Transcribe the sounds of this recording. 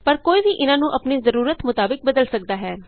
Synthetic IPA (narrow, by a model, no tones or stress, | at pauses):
pəɾkoːiːʋiːʔɪnãːnũːʔəpneːzəɾuːɾət̪mʊt̪aːbɪk̚bəd̪əlsək̚d̪aːɦɛː